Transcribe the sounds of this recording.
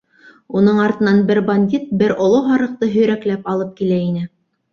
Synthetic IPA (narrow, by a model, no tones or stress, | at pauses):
unɤɴɑɾt̪ɤ̆nɑnbɘɾbɐnʲdʲit̪̚bɘɾŏlˠoɦɑɾɤ̆q̚t̪ɤɦɵ̆jɾæklæpɑlˠɤp̚kilæinɘ